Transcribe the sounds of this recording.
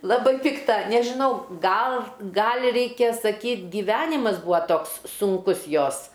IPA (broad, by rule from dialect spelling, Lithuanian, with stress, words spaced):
ˈlˠɑːbɐɪ ˈpʲɪktɐ nʲɛʒʲɪˈnɐʊ ˈɡɐlˠ ˈɡɐlʲ ˈrʲɛɪkʲɛ sɐˈkʲiːtʲ ɡʲɪˈʋʲæːnʲɪmɐs ˈbuːɐ ˈtoːks sʊŋˈkʊs ˈjoːs